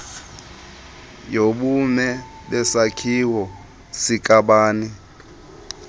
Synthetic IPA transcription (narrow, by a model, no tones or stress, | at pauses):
joɓumɛ | ɓɛsakʰiwɔ | sikʼaɓaːni